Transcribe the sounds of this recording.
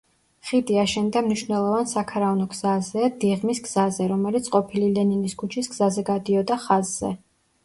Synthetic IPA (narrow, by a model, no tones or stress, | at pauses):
χid̪iaʃɛnd̪amniʃnɛlˠɔvansakʰaɾavnɔɡz̥azɛd̪iʁmisɡz̥azɛɾɔmɛlit̪sʰʼqʼɔpʰililɛniniskʰut͡ʃʰisɡz̥azɛɡad̪iɔd̪aχazzɛ̰